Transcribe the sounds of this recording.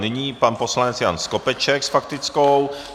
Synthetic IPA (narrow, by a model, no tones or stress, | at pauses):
nɪɲiːpanposlanɛt͡sjanskopɛt͡ʃɛksfak̚t̪ɪt͡skow